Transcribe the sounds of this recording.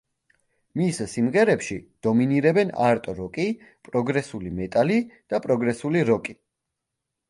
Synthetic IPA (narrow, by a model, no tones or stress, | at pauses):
missimʁɛɾɛpʃid̪̥ɔminiɾɛbɛna̰ɾt̪ʼɔɾɔkʼi | pʼɾɔɡɾɛsulimɛt̪ʼalid̪̥apʼɾɔɡɾɛsuliɾɔkʼi